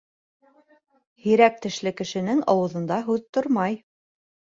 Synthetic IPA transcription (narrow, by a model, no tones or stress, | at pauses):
hiɾæk̚t̪ɘ̆ʃlɘkɘ̆ʃɘ̆nɘŋɑ̰wɤ̆ðɤ̆nd̪ɑɦʉðt̪oɾmɑj